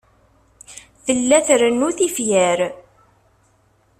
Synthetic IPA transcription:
θəlːæθɾənːuθifjæɾ

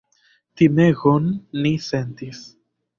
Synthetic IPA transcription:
t̪imeɣonːisent̪is

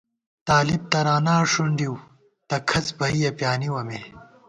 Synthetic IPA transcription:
t̪aːlib̚t̪ɐɾaːnaːʂuɳɖiw | t̪ɐkʰɐt͡sbɐijɐpjaːniwɐme

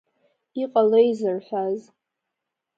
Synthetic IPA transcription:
iqʼalejzɨrħʷᶣaz

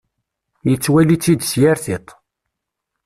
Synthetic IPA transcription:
jət͡sːwælit͡sːid̪sjaɾθit̪ˤ

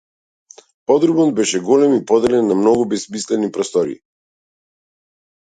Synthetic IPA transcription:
pɔd̪ɾubɔd̪bɛʃɛɡɔlɛmipɔd̪ɛlɛnːamnɔɡubɛsmislɛnipɾɔst̪ɔɾḭ

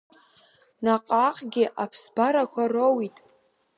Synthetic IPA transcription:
naqʼaqʼɡʲɪʔapʰsbaɾakʷʰarowitʼ

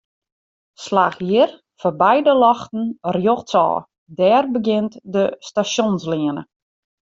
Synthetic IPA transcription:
slaːxjɪr | fɔbɛjdəlɔxtn̩rjoxtsɔ̰ː | dɛːrbəɡɪntdəstasjonslɪənə̰

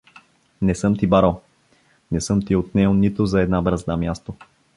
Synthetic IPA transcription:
nɛsɤmt̪ibaɾa | nɛsɤmt̪iot̪nɛonit̪ʊzɐɛd̪nabɾəzd̪amjast̪o

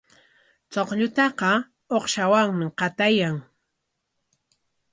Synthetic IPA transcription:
t͡soqʎʊt̪ɑqɑ | oχʃawaŋmɪqɑt̪ajaŋ

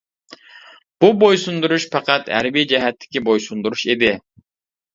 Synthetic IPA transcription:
b̥ubojsund̪uɾuʃpʰɑqɑt̪hæ̰ɾbid͡ʒɛɦɛt̪ʰːɪ̥kʲibojsund̪uɾuʃed̪ɪ

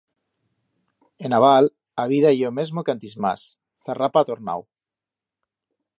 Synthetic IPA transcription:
enaβ̞al | aβiðajomezmokant̪izma̰s | θerapat̪oɾna̰w

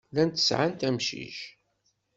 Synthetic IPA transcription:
lænt̪ə̥sʕant̪æmʃḭʃ

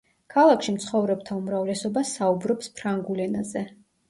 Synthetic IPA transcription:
kʰalˠakʰʃimt̪sʰχɔvɾɛb̚t̪ʰaumɾavlɛsɔbasaubɾɔpspʰɾaŋɡulɛnazɛ

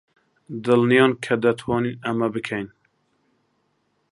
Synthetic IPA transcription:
d̪ɨlnijɑːnkʰɐd̪ɐt̪ʰwɑːninæmæbɨkʰɛjn

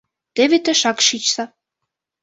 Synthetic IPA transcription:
t̪eβet̪ĕʃɑkʃit͡ɕsɑ

